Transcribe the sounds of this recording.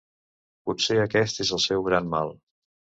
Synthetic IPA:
putseəkɛst̪ezəlˠsɛwɣɾanmalˠ

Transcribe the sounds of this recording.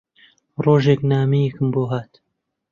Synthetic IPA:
roːʒeknaːmejikɨmboːɦaːt̪

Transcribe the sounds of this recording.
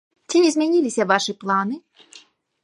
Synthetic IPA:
t͡sʲiizʲmʲɛnʲilʲɪsʲɐvaʂɨplˠanɨ

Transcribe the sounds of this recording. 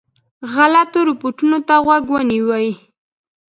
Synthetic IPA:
ɣalat̪oɾɪpoʈunot̪aɣwaɡwəniwaji

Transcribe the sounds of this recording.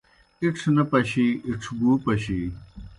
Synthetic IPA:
iʈ͡ʂʰnɐpɐɕiːʔiʈ͡ʂʰbuːpɐɕiː

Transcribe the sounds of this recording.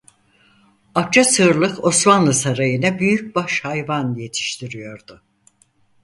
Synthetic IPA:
ak̚t͡ʃʰasɯɾlˠɯko̞smanlˠɯsaɾajɯnabyjyc̚baʃhajvanje̞t̪ʰi̥ʃt̪ʰiɾijo̞ɾd̪ʊ

